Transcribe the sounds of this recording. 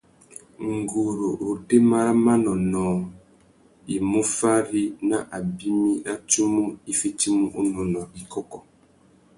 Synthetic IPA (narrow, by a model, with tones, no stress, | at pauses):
ŋ̩˨ɡo˨ɾo˨ʔo˨de˦ma˦ɾa˦ma˦nɔ˨nɔː˨ | i˨mo˦fa˦ɾi˦na˦ʔa˨bi˦mi˦ʔa˦tu˦mu˦i˦fe˦ti˦mu˦ʔo˦nɔ˨nɔ˨i˨kɔ˦kɔ˨